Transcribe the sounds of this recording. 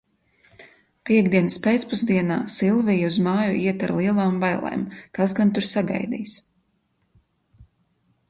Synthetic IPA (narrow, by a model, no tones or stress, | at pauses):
piɛɡd̪iɛnɨspʲet̪spuzd̪iɛnaːsilˠvijuzmaːjuiɛt̪aɾlˠiɛlˠaːmvajlˠɛ̰ːmkasɡant̪uɾsaɡa̰jd̪ḭːs